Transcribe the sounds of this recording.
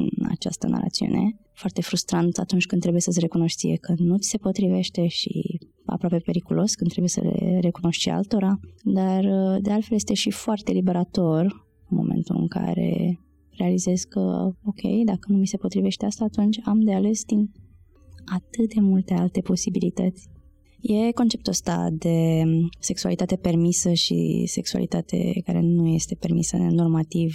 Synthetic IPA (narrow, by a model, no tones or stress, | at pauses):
ɨ̰na̰t͡ʃa̰st̪əna̰ɾa̰t̪siṵne̞ | foart̪e̞fɾust̪ɾant̪a̰t̪unt͡ʃkɨnt̪ːɾe̞buje̞səsʲre̞kuno̞ʃt̪siekənut̪i̥se̞po̞t̪ɾive̞ʃt̪e̞ʃḭ | a̰pɾoapepe̞ɾikulo̞skɨnt̪ɾebujsə̰lḛɾe̞kuno̞ʃt̪ʃia̰lt̪o̞ɾad̪ard̪e̞alfe̞lje̞st̪e̞ʃifoart̪e̞libe̞ɾat̪o̞r | ɨnmo̞̰mʔḛ̃nt̪ulɨ̰ŋka̰ɾe̞̰ | re̞alize̞sko̞kʲʰe̞̰jd̪akənumise̞po̞t̪ɾive̞ʃt̪east̪aːt̪unt͡ʃʲamd̪eale̞sd̪in | at̪ɨt̪̚d̪e̞mult̪e̞alt̪e̞po̞sibilit̪ət̪sʲ | je̞ko̞nt͡ʃe̞pt̪uəst̪a̰d̪e̞se̞ksua̰lit̪at̪e̞pe̞rmisəʃḭse̞ksua̰lḭt̪at̪ʰe̞̰kaɾe̞̰nuje̞st̪e̞pe̞rmḭsəno̞rmat̪iv